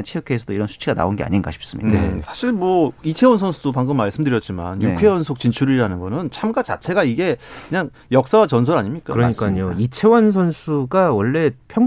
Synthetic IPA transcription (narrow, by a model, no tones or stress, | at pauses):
nt͡ɕʰejkʰeesʰʌdoiɾʌnsʰu̥t͡ɕʰiɡana̰onɡea̰ɲinɡa̰ɕʰi̥p̚s͈ɯmḭndḛsʰḁɕʰiɭmwʌit͡ɕʰe̞wonsʰʌnsʰudopaŋɡɯmːaɭs͈ɯmdɯɾjʌt̚t͡ɕ͈ima̰njukʰe̞wʌnsʰok̚t͡ɕint͡ɕʰuɾiɾanɯnɡʌnɯnt͡ɕʰamɡat͡ɕa̰t͡ɕʰe̞ɡaiɡe̞kɯɲaŋ | jʌk̚s͈awat͡ɕʌns̬ʰʌɾaɲimɲik͈akɯɾʌɲik͈aɲoit͡ɕʰe̞wʌns̬ʰʌnsʰuɡawʌɭːe̞pʰjʌŋ